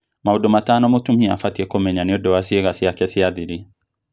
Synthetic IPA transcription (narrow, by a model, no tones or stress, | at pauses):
maudɔmataːnɔmotumiafatiɛkɔmɛɲaniɔdɔwasieɣasiakɛsiaðiɾi